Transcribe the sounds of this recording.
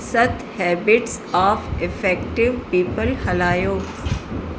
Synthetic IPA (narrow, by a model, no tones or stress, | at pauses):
sɐt̪hɛːbɪʈsɔːfɪfɛːkʈɪʋpiːpəlhɐlaːjoː